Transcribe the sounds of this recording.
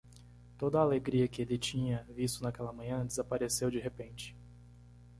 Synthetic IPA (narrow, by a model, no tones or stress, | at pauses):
t̪od̪ɐaːleɡɾiɐkɪelɪt͡ʃĩɲɐvist̪ʊnakɛlɐmɐ̃ɲɐ̃d͡ʒezapaɾesewd͡ʒiɦepẽnt͡ʃɪ̥